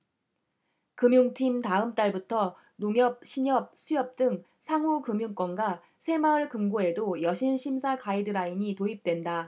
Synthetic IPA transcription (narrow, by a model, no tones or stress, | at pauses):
kɯmjuŋtʰimtaɯmt͈aɭbutʰʌ | noŋjʌp̚ɕʰiɲʌp̚sʰujʌp̚t͈ɯŋ | sʰaŋukɯmjuŋk͈wʌnɡa | sʰe̞maɯɭkɯmɡoe̞dojʌɕʰinɕʰimsʰakaidɯɾaiɲitoip̚t͈we̞nda